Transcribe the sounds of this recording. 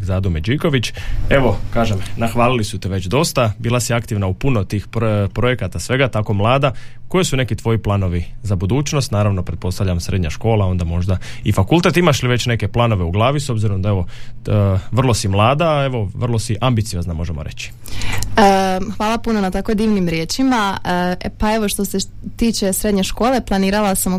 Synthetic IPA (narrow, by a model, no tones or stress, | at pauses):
zad̪umed͡ʒiːko̞ʋit͡ɕe̞ʋo̞kaːʒemnaxʋaːlilisut̪iʋe̞t͡ɕd̪o̞st̪abiːlˠasiakt̪iʋnaupunot̪iːxppɾojekat̪asʋe̞ɡat̪ako̞mlˠaːd̪ako̞jisune̞kit̪ʋo̞jiplˠaːno̞ʋizabud̪uːt͡ʃno̞st̪naːɾaʋno̞pɾet̪po̞st̪aʋʎʲamsɾed̪ɲaʃko̞ːlˠao̞nd̪amo̞ʒd̪aifakulˠt̪e̞t̪imaʃliʋe̞t͡ɕne̞keplˠaːno̞ʋeuɡlˠaːʋiso̞bziɾo̞md̪aeʋo̞ | ʋr̩lˠo̞simlˠaːd̪aːe̞ʋo̞ʋrlˠosiʔambit̪sio̞znamo̞ʒemoɾe̞̰t͡ɕi̥ | əxʋaːlapuno̞nat̪akod̪iːʋnimɾjeːt͡ʃima | pae̞ʋo̞ʃt̪o̞se | t̪iːt͡ʃe̞sɾe̞d̪ɲe̞ʃko̞ːle̞plˠaniːɾalasam